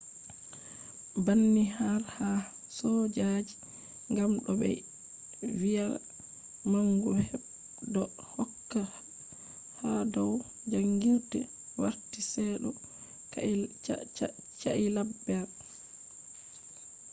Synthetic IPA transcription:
banːihaɾha | sɔd͡ʒad͡ʒi | ŋɡamɗɔbɛ̰ | wija | maŋɡuhɛb̚ | dɔ | hɔkːa | hadɔw | d͡ʒaŋɡiɾtɛ | wa̰ɾtisɛɗɔ | t͡ʃa̰ʔilabːɛ

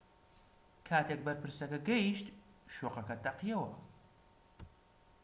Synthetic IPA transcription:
kʰaːt̪ʰek̚bɐɾpɨɾsɐkɐɡɛjiʃt̪ʃoːqɐkɐt̪ɐqijɐwɐ

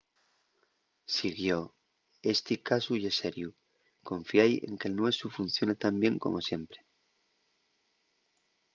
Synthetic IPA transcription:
siɣjo̞ | e̞st̪ikasuʝese̞ɾju | kõ̞ɱfjaje̞̰ŋkelnoe̞sufun̟θjo̞net̪ambje̞ŋko̞̰mʔo̞sje̞mpɾe

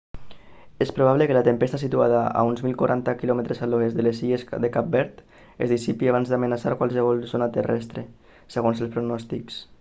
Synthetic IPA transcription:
espɾuβ̞aβlekəlat̪əmpɛst̪asit̪uaðaa̰unzmilˠkwaɾʔant̪akilɔmeət̪ɾesaloezðəlesiesd̪əkap̚bɛɾt̪ | ezðisipiaβanzd̪amənasaɾkwalˠsəβ̞ɔlˠzonat̪ərɛ̰st̪ɾe | səɣ̞onzəlspɾunɔst̪iks

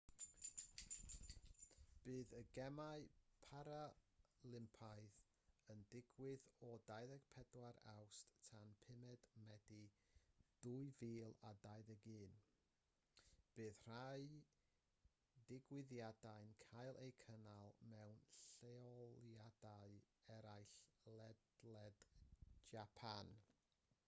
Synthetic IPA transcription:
b̥ɨːðəɡɛmaɨpʰaɾalˠɪmpʰajθ | əndɪɡwɪðɔdajðəɡ̥pʰɛdwaɾa̰wsttʰanpʰɪmɛd̥mɛdi | d̥uɨviːlˠadaɨðəɡɨːn | b̥eːθr̥aɨ | dɪɡwɪðjadaɨnkʰajlˠʔejkʰənalˠmɛwnɬeɔlˠjadaɨɛɾajɬlˠɛdlɛd̥d͡ʒapʰan

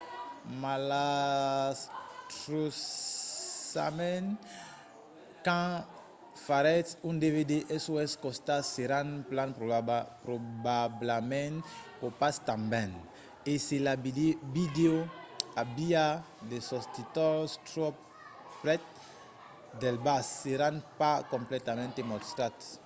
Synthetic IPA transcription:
mala | st̪ɾos | a̰mɛn | kã | faɾɛt̪ũnd̪eved̪eʔɛsoɛskɔ̃st̪aseɾãnplãnpɾpɾobablamɛ̃npɔpast̪ãmbɛ̃n | eselabidebid̪eoabia | lesɔst̪it̪ɔst̪ɾɔp | pɾɛt̪̚ | d̪ɛlbasːeɾãnpakɔ̃mplɛt̪amɛ̃nt̪emɔst̪ɾat̪

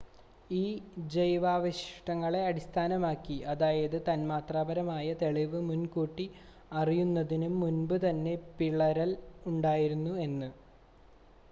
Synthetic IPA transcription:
iːd͡ʑejʋaːʋɐɕi̥ʂʈɐŋːɐɭe̞ɐɽist̪ʰaːnɐmaːkːiʔɐðaːjɐðɨt̪ɐnmaːt̪raːbɐɾɐmaːjɐt̪e̞ɭiʋɨmunkuːʈːi | ɐrijunːɐðinumːunbɨt̪ɐnːe̞piɭɐɾɐluɳɖaːjiɾunːue̞nːɨ

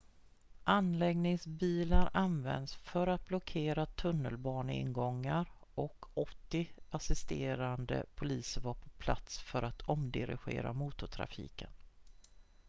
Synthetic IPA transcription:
ʔanlɛɡnɪŋsbiːlaɾanvɛ̰nd̪sfœɾat̪̚blɔkʰeːɾat̪ʰɵnːəlbɑːɳɪ̰nɡɔŋːaɾ | ɔkʰɔt̪ːɪasɪst̪eːɾand̪ə̰pʰʊliːsəvaːpʰɔ̥pʰla̰t̪sfœɾat̪ʰɔmd̪ɪɾɪ̰ɧḛːɾa̰muːt̪ʊʈ̪ʰɾa̰fḭːkən

